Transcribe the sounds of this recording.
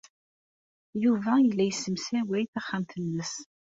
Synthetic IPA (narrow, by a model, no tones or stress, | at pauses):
juvæjəlːæjəsːəmsæwæjθæχːæmθənːəs